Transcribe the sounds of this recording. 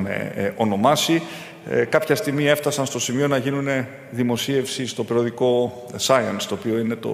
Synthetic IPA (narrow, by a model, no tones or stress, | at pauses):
mḛo̞no̞mɐsi | kɐpçɐst̪imie̞ft̪ɐsɐnst̪o̞simio̞nɐʝinune̞ | ðimo̞sie̞fsist̪o̞pɾooðiko̞ | sɐiɐnst̪o̞ːpio̞ine̞t̪o̞̰